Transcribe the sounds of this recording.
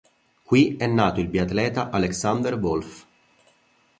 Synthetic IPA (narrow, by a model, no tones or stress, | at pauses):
kwiɛnːaːt̪oilbiat̪lɛːt̪aʔaleksand̪ervolf